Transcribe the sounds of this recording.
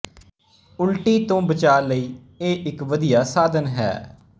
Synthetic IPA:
ʊlʈiːt̪õːbət͡ʃaːləiː | eːʔɪkʋəd̪ijaːsaːd̪ənɦɛ̰ː

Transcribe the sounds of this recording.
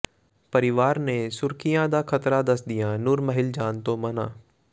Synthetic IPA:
pɐɾɪʋaːɾnesʊɾkijãd̪akʰɐt̪ɾad̪ɐsd̪ijãːnʊɾməɦɪld͡ʒaːnt̪omɐnaː

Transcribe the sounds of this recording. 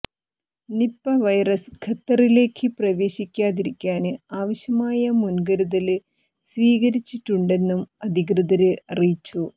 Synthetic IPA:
nipːɐʋɐjrɐskʰɐt̪ːɐrile̞ːkʰːɨprɐʋe̞ːɕikʲːaːðiɾikʲːaːnɨaːʋɐɕjɐmaːjɐmunɡɐɾuðɐl | sʋiːɣɐɾit͡ɕːiʈːuɳɖe̞nːumɐd̪ʱiɣrɐðɐɾɨɐrijit͡ɕːu

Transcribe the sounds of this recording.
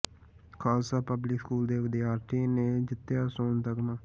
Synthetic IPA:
kʰaːlsaːpəblɪkskuːld̪eːʋɪd̪ɪjaːɾʈiːnẽːd͡ʒɪt̪ːjaːsoːnt̪əkmãː

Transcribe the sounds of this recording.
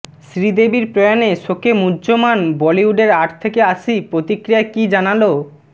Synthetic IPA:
sɾid̪ebiɾpɾɔjaneʃokemudːd͡ʑomanbɔliuɖeɾaʈʰt̪ʰekeaʃʰipɾot̪ikɾijaekid͡ʑanalo

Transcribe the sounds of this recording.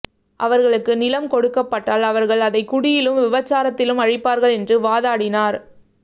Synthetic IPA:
ʔɐʋɐɾɣɐɭɯkːɯnɪlɐmkɔɽɯkːɐpːɐʈːaːlɐʋɐɾɣɐɭɐðɐɪkʊɽɪjɪlɯmʋɪʋɐt͡ʃːaːɾɐt̪ːɪlɯmɐɻɪpːaːɾɣɐɭɛndrɯʋaːðaːɽɪnaːɾ

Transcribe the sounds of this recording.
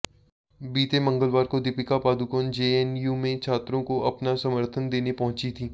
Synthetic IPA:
biːt̪emɐ̃ŋɡəlʋaːɾkod̪ɪpɪkapaːd̪ukoːnd͡ʒeːɛnjuːmẽt͡ʃʰaːt̪ɾõkoɐpnasɐməɾt̪ʰənd̪eːnepɐɦʊ̃t͡ʃit̪ʰiː

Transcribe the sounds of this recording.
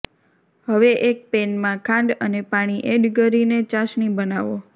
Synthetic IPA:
ɦəʋeʔek̚penmãkʰãɳɖənepaɽ̃iʔeɖɡəɾinet͡ʃaʃɳibənaʋo

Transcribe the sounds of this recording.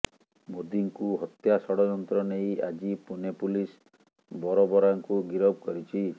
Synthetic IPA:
mod̪iŋkuɦɔt̪jasɔɽɔd͡ʒɔnt̪ɾɔnejad͡ʒipunepulis | bɔɾɔbɔɾaŋkuɡiɾɔb̚kɔɾit͡ʃʰi

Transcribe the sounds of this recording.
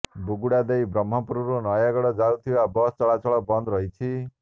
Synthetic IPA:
buɡuɽad̪ejbrʌm̤ːʌpuɾuɾonʌjaɡɔɽʌd͡zawt̪ʰiwabʌst͡sʌɭat͡sɔɭʌbʌnd̪ɾʌɦit͡sʰi

